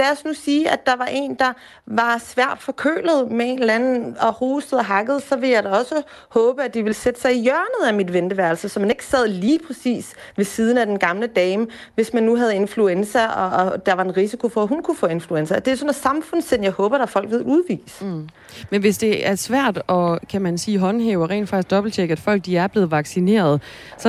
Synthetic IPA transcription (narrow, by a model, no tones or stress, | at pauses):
læɒsnusiːʔæd̥ɑ̈ʋɑ̈ʔe̝̰ːnd̥ɑ̈ | ʋɑ̈sʋæɐ̰d̥fɒ̽kʰø̰ːləð̞̩ˠmee̝nd̥læn̩ɒ̽hoːsd̥əðˠɐɦɑ̈ɡ̥əð̞̩ˠsɒ̽ʋe̝jɑ̈ɪɾɒ̽sə | hɔ̽ːb̥əæd̥iʋe̝lsed̥ə̥sɑ̈ɪijɶɐnəð̩ˠæmid̥ʋend̥əʋæɐlsəsɒ̽mæne̝ɡ̥ə̥sɛð̞̰ˠliːpʰʁɛsḭːs | ʋe̝siːð̞ˠn̩æd̥enɡ̥ɑ̈mləd̥ɛːmʋe̝smænːuɦæð̞ˠe̝nfluensɐɒ̽d̥ɑʋɑ̈e̝nʁisikʰo̝fɒ̽æhunkʰufɔ̰̽ːe̝nfluensɐd̥e̝æsɔ̽næ̥sɑ̈mfɔ̽n̰sen̰jɑ̈ɪhɔ̽ːb̥ɐɾ̥ɑfɒ̽l̰ɡ̥ʋeðˠuð̞ˠʋḭːs | menʋe̝sd̥e̝æɐsʋæɐ̰d̥ɒ̽kʰæmænsiːɦɒ̽nɦeːʊɒʁɛ̰ːnd̥fɑ̈ɡsd̥ɒ̽b̥l̩t͡sʰeɡ̥æ̥fɒ̽l̰ɡ̥̚d̥iæɐb̥le̝ːð̩ˠʋɑ̈ɡ̥sine̝̰ːɐð̞ˠ | sɒ̽